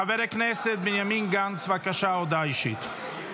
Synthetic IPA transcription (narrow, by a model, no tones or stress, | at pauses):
aveɾeknɛset̪̚benjaminɡant͡svakaʃaod̪ajʃit̪